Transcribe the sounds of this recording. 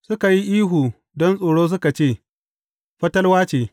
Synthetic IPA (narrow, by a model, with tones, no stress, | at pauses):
sʊ˦ka˨ji˦ʔiː˦ɦu˨ | dɔ˦nsʼoː˨ɽoː˦s̬ʊ˦ka˨t͡ʃeː˦˨ | ɸɐ˦tɐ˦lwaː˦t͡ʃeː˨